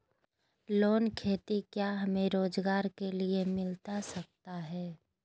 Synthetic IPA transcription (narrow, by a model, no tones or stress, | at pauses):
loːnkʰeːt̪ikjaɦɐmẽɾoːzɡaːɾkeliemɪlt̪asɐk̚t̪aɦɛː